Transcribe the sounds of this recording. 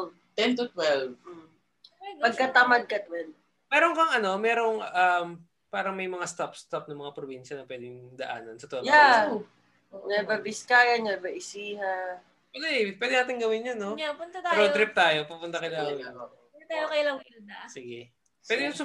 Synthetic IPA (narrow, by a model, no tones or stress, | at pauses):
t̪ɛnt̪ʊt̪wɛlv̩ | pɐɡkɐt̪ɐmɐd̪̚kɐt̪wɛl | mɛːɾoŋkɐŋɐno̞mɛːɾoŋɐm | paːɾɐŋmɐjmɐŋast̪apst̪op̚nɐŋmɐŋapɾobinʃɐnɐpwɛd̪ɪŋd̪ɐʔa̰ːnɐnsɐt̪wɛja | ɲɐbɐbɪskaːjɐɲɐbɐʔɪsiːha | ɛd̪ɛpwɛːd̪ɪnaːt̪ɪŋɡɐwɪnjɐnːoapʊnt̪ɐt̪aɾoɾɪp̚t̪aːjopupʊnt̪ɐkɐlaː | ɛt̪aːjokɐjlɐŋɪld̪asɪɡɛ | pwɛːd̪ɪjʊŋsʊ